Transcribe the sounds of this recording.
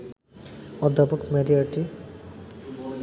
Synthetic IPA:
ɔd̪ʱːapokmeɾiaʈi

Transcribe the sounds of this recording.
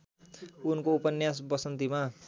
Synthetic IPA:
unkoupʌnjas̬bʌsʌnt̪ima

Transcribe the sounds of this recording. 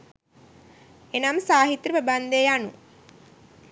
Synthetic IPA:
enamsaːɦit̪ɾəpəband̪ejanṵ

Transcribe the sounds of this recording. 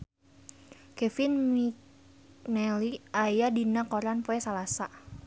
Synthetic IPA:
kɛfinmik | nɛliajadinakɔɾanpoɛsalasa

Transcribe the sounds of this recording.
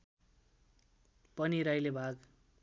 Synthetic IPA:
pʌniɾajlebʱaɡ

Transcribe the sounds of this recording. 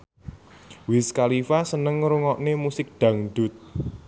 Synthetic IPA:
wɪskalifasənəŋɾuŋɔʔnemusɪk̚ɖ̪̥ä̤ŋɖ̥ʊt̪̚

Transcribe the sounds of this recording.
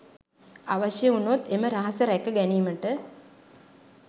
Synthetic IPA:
aʋaʃjəunot̪eməɾaɦasəɾækəɡæniːməʈə

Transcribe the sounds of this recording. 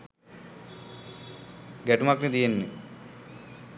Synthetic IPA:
ɡæʈumakned̪ijenːe

